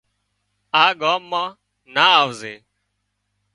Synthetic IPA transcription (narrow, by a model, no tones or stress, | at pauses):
aːɠaːmːãː | naːaːʋzeː